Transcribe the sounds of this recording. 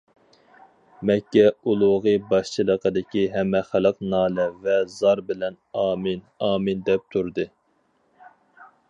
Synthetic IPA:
mɛkʲːɛulˠʊʁibɑʃt͡ʃʰilˠəqʰəd̪ɪkʲiɦɛmːɛχælˠəqnɑːlɛvɛzɑɾbɪlɛnɑːmɨnɑːmɨnd̪ɛp̚t̪ʰuɾd̪ɨ

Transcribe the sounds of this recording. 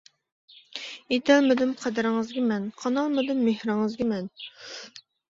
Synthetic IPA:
et̪ʰɛlmɪd̪ɪmqʰəd̪æɾɪŋɨzɡʲɪmɛnqʰɑnɑlˠmɪd̪ɪmːehɾɪŋɨzɡʲɪmɛn

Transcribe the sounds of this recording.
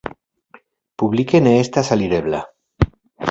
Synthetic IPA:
puβlikeneest̪asaliɾeβla̰

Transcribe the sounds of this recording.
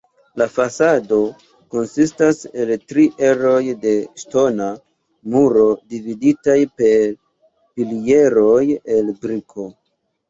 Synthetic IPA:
lafasado̞ | ko̞nsistase̞ltɾiʔe̞ɾo̞jde̞ʃto̞na | muɾo̞dividitajpe̞ɾ | pilie̞ɾo̞je̞lbɾikʰo̞

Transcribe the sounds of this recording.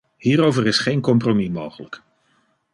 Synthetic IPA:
hiːɾowvərɪsχejnkɔmpromimowχələk

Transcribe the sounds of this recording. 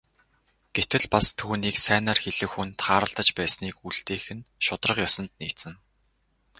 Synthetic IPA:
ɡ̥et̪ɘ̆ɮpast̪ʰuːniːksæːnaːrxeɮɘ̆xunt̪χaːɾə̆ɮt̪ə̆t͡ɕpæːsniːkuɮt̪eːxɘ̆nʃʊt̪rə̆qjɔsɞ̆nt̪niːt̪sɘ̆ŋ

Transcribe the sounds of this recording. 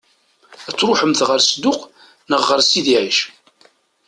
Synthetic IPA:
æt͡sːɾʊħəmθʁəɾsəd̪ʊq | nəʁːəɾsiðiʕiʃ

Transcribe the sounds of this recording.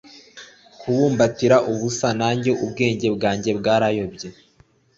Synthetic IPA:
kʰuβuːmbatiɾaʔuβusanaːɲɟo̞ʔubɡe̞ːɲɟe̞bɡaːɲɟe̞bɡaːɾajo̞bɟe̞

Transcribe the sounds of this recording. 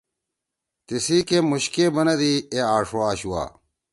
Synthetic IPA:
t̪isiːkemuɕkebɐnɐd̪ieaːʂoaːɕuwa̰ː

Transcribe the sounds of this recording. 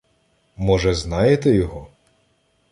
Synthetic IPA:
mɔʒɛznɑjet̪ɛjɔɦɔ

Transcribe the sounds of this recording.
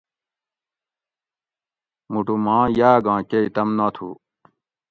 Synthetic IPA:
muʈumãːjaːɡãːkeit̪ɐmnaːt̪ʰṵː

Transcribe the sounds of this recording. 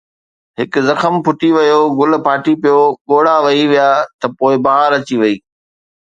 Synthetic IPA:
ɦɪkzɐxəmpʰʊʈiʋɐjoɡʊlpaːʈipijoɠoːɽaʋɐiʋijaːt̪ɐpoːɪbɐɦaɾɐt͡ɕiʋɐiː

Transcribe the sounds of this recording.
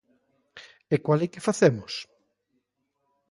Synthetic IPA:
ekwalɛkɪfaθemʊs

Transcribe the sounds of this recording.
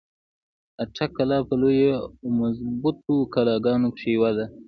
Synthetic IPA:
aʈʰakalɑpəlojemazbʊt̪̚okalɑɡɑnokʃewad̪a

